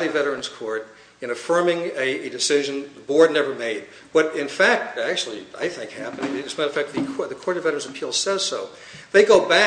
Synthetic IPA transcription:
ɾivɛɾə˞ɨ̃nz̥kʰɔɹɾ | ɨ̃nɨfɜ̃˞mɪ̃ŋɨɨdɨsɪʒɨ̃nðəbɔɹdⁿnɛvə˞meɪd̚ | b̥ʌɾɪ̃nfæk̚t̚æk̚t͡ʃʉl̩ˠia̰ɪθɪ̃ŋkhæpɨ̃nɪ̃ŋɨɨsmaɪɾɨfæk̚t̚ðɨðɨkʰɔɹɾɨvɛɾə˞ɨ̃nzɨpʰilˠsɛz̥soʊ | ðeɪɡoʊbæ

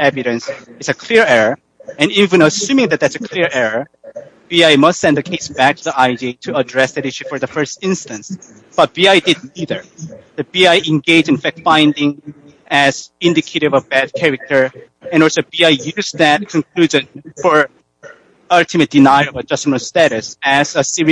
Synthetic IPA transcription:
æbɨɾɨ̃nsɨtsɨkʰl̥ɪɹɛɹə˞ | ɨ̃nivɨ̃nəsʉ̃mɪ̃ŋðɨt̪̚ðætsɨkʰl̥ɪɹɛɹə˞ | b̥iaɪmʌstsɛ̃nðɨkʰeɪsb̥æk̚tʰɨðiʔaɪditʰɨədɹɛsðɨɾiʃɨfə˞ðəfɜ˞stɪ̃nstɨ̃ns | b̥ʌt̚b̥iaɪdɨdⁿniðə˞ðɨt̚b̥iaɪʔɨ̃nɡeɪd͡ʒɨ̃nfæk̚tfãɪ̃ndɪ̃ŋ | ɨz̥ɪ̃ndɨkʰeɪɾɨvʌvbæd̚kʰɛɹɨk̚tʰə˞ | ɨ̃nɔlˠsoʊbiaɪjʉzðɨt̚kʰɨ̃nkʰl̥ʉʒɨ̃nfə˞ | ʌltʰɨmɨt̚d̥ɨnaɪɹʌvəd͡ʒʌsəmə̃stæɾɨsɨzəsiɹi

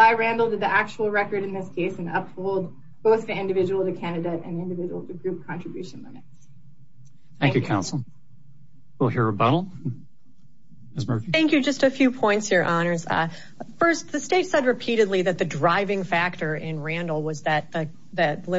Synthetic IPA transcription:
aɪɹæ̃ndˡl̩ˠdɨd̪̚ðiʔæk̚t͡ʃuwl̩ˠɹɛkə˞ɾɨ̃nðɪskʰeɪsɨ̃nʌpfoʊlˠd̚ | b̥oʊθðiɪ̃ndɨvɪd͡ʒəwl̩ˠtɨkʰæ̃nɨɾeɪɾɨ̰̃nɪ̃ndɨvɪd͡ʒəwl̩ˠtʰɨɡɹʉp̚kʰɑ̃nt͡ʃɹ̥ɨbjʉʃɨ̃nlɪ̰̃mɨts | θæ̃ŋkjʉkʰãʊ̃nsl̩ˠ | wilˠhiɹɨbʌɾl̩ˠ | mɨzmɜ˞fiθæ̃ŋkjʉd͡ʒʌstɨfjʉpʰɔ̃ɪ̃ntshiɹʔɑnə˞z̥̰ | fɜ˞st̚ðɨsteɪtsɛd̚ɹɨpʰiɾɨdˡliðɨt̪̚ðɨdɹaɪvɪ̃ŋfæk̚tə˞ʔɪ̃nɹæ̃ndˡl̩ˠwʌzðɨt̪̚ðɨ | ðɨt̪̚lɪ

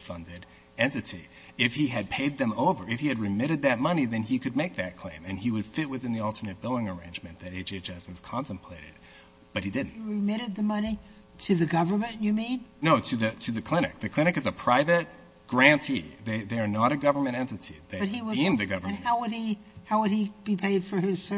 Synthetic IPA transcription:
fʌ̃ndɪɾ | ɛ̃ntɨɾi | ɪfhiɨd̚pʰeɪd̪̚ðɨ̃moʊvə˞ɨfhiɨd̚ɹɨmɪɾɨd̪̚ðɨt̚mʌniðɨ̃nikɨd̚meɪk̚ðɨt̚kʰl̥ḛ̃ɪ̃mɨ̃niwɨd̥fɪt̚wɨθɪ̃nðiɔlˠtʰə˞nɨt̚b̥ɪlˠdɪ̃ŋə˞ḛ̃ɪ̃nd͡ʒmɨ̃nðɨɾeɪd͡ʒeɪt͡ʃɛsɨz̥kʰɑ̃ntɨ̃m̩pʰl̥eɪɾɨ̰d̥̚ | b̥ʌt̚hidɪdⁿn̩tɹɨmɪɾɨd̪̚ðɨmʌni | ɾɨðɨɡʌvə˞mɨ̃nʔjɨmĩnnoʊɾɨðɨɾʰɨðɨkʰl̥ɪ̃ɾ̃ɨ̰k̚ðɨkʰl̥ɪ̃ɾ̃ɨkɨzɨpʰɹ̥aɪvɨt̚ | ɡ̥ɹæ̃ntʰiðeɪðəə˞nəɾɨɡʌvə˞mɨ̃ɾ̃ɛ̃ntɨtʰḭðeɪʌt̚hiwʌẽɪ̃mðɨɡʌvə̃˞nhaʊwəd̚i | haʊwəd̚ib̥ipʰeɪd̥fə˞ɪz̥s

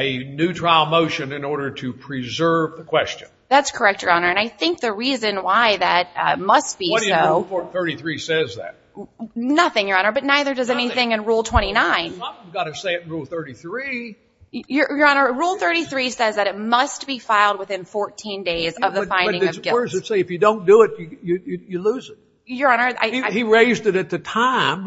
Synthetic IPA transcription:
ɨnʉtʰɹ̥aɪlˠmoʊʃɨ̃nɨ̃nɔɹɾə˞ɾɨpʰɹ̥izɜ˞vðəkʰw̥ɛst͡ʃɨ̃nðætskʰə˞ɛk̚t͡ʃə˞ɑnə˞ɨ̃naɪθɪ̃ŋk̚ðɨɹizɨ̃nwaɪðɨt̚mʌst̚b̥iʌsoʊɔθɜ˞ɾiθɹisɛzðæ̰t̚nʌθɪ̃ŋjə˞ɑnə˞bʌtⁿnaɪðə˞dʌzɛñiθɪ̃ŋɨ̃nɹulˠtʰw̥ɛ̃ɾ̃inãɪ̃nɡɑɾɨseɪɨɾn̩ɹulˠθɜ˞ɾiθɹi | jə˞jə˞ə̃nə˞ɹulˠθɜ˞ɾiθɹisɛzðɨɾɨt̚mʌstb̥ifaɪlˠd̚wɨθɪ̃nfɔɹtʰĩndeɪzʌvðɨfãɪ̃ndɪ̃ɨʌsɪə˞zɨseɪɨfjɨdõʊ̃nd̥əɪt͡ʃɨjɨjɨjɨluzɨt̚ | jə˞ə̃nə˞a̰ɪiiɹeɪzdɨɾɨt̪̚ðɨtʰãɪ̃m

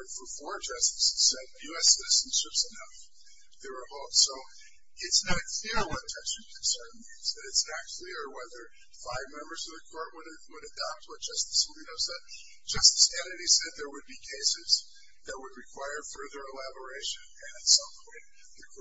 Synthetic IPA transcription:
dfə˞fɔɹd͡ʒʌstɨ̥sz̥sɛd̚jʉɛsɪɾɨzn̩sɪpsɨnʌf | ðə˞əhoʊsoʊ | ɪtsnɨt̚kʰl̥ɪɹwʌtʰʌt͡ʃɨ̃nkʰɨ̃nsɜ̃˞nmĩnz̥ɨ̃ɾɨtsnɨt̚kʰl̥ɪɹwɛðə˞ | faɪvmɛ̃mbə˞zʌvðɨkʰɔɹʔ̚wəɾ | wəɾɨdɑp̚t̚wʌt̚d̥ʒ̥ʌstɨ̥s̩linoʊsɛd̚ | d̥ʒ̥ʌstɨ̥skʰɛ̃nɨɾisɛd̪̚ðə˞wɨd̚bikʰeɪsɪz | ðɨt̚wəd̚ɹɨkʰw̥aɪə˞fɜ˞ðə˞əlæbə˞eɪʃɨ̃nɨ̃nɨtsʌ̃mpʰɔ̃ɪ̃n | ðɨk

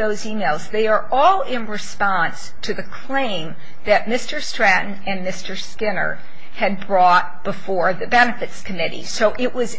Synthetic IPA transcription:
oʊzimeɪlˠzðeɪə˞ʔɔlˠɪ̃nɹɨspɑ̃ns | tʰɨðɨkʰl̥ẽɪ̃m | ðɨt̚mɪstə˞stɹ̥æʔn̩ɨ̃nmɪstə˞skɪ̃nə̰˞ | ɨd̚bɹɔt̚b̥əfɔɹðɨbɛnɨfɨtskʰɨmɪɾḭsoʊʔɪʔwʌz

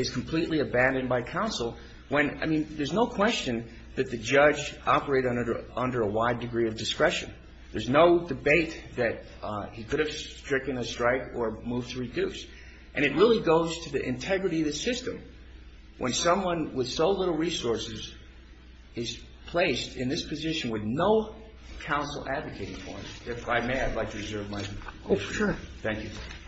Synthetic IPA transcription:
ɨz̥kʰm̩pʰl̥iʔˡliɨbæ̃ndɨ̃nbaɪkʰãʊ̃nsl̩ˠ | wɨ̃na̰ɪmĩnðə˞znoʊkʰw̥ɛst͡ʃɨ̃n | ðɨt̪̚ðɨd͡ʒʌd͡ʒɑpə˞eɪɾʌ̃ʌ̃ndə˞əwaɪdɨɡɹiʌvdɨskɹɛʃɨ̰̃n | ðə˞znoʊdɨbeɪt̪̚ðɨt̚ | hikʰʊɾɨv̥stɹ̥ɪkɨ̃nɨstɹ̥aɪkə˞muv̥tʰɨɹɨdʉs | ʔɨ̃ñɨt̚ɹɪlˠiɡoʊz̥tʰɨðiʔɨ̰̃ntʰɛɡɹɨɾiʌðɨsɪstɨ̃m | wʔə̰̃nsʌ̃mwʌ̃nwɪð̥soʊlɪɾl̩ˠɹisɔɹsɨz | ɨz̥ | pʰl̥eɪstɨ̃nðɪspʰɨzɪʃɨ̃n̩wɨðnoʊ | kʰãʊ̃nsl̩ˠædvɨkʰeɪɾɪ̃ŋfɔ̰ɹ̃zɪfaɪmeɪɨɪdˡlaɪtʰɨɹɨzɜ˞vmaɪʃθæ̃ŋkjʉ

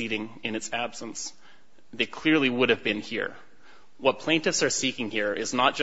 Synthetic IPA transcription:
iɾɪ̃ŋɨ̃nɨtsæb̥sn̩s | ðeɪkʰl̥ɪɹliwʊɾɨvbɨ̃nhḭɹ | wʌt̚pʰl̥ẽɪ̃ntɨfsə˞sikɪ̃ŋhiɹɪznət̚d̥ʒ̥

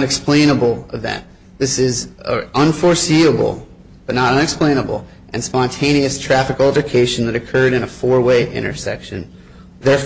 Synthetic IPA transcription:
nɨksplẽɪ̃nəbl̩ˠəvɛ̰̃n | ðɪsɪzəʔə̃nfɔɹsiəbl̩ˠ | b̥ʌtⁿnəɾʌ̃nɨksplẽɪ̃nəbl̩ˠ | ʔɨ̃nspɑ̃ntʰẽɪ̃ɾ̃iɨstʰɹ̥æfɨkl̩ˠd͡ʒɨkʰeɪʃn̩ðɨɾɨkʰɜ˞ɾɨ̃nəfɔɹweɪʔɪ̰̃ɾ̃ə̰˞sɛ̰kʃɨ̃n | ðɛɹ

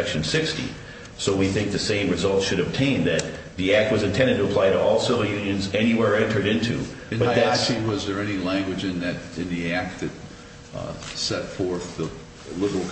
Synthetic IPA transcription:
ɛkʃɨ̃n̩sɪkstḭ | soʊwiθɪ̃ŋk̚ðɨsẽɪ̃mɹɨzʌlˠtsʃɨɾɨb̚tʰẽɪ̃nðɨt̪̚ | ðiæk̚t̚wʌzɨ̃ntʰɛ̃ndɨd̚tʰəəpʰl̥aɪɾəɔlˠsɪvə˞jʉ̃njɨ̃nzɛniwɛɹɛ̃ntʰə˞ɾɪ̃ntʰʉ̰ | ɨ̃nbʌt̪̚ðæwʌzðə˞ɛnilæ̃ŋɡwɨd͡ʒɨ̃nðɨɾɨ̃nðiæk̚t̪̚ɨt̚ | sɛtfɔɹθðə | lɪbl̩ˠk

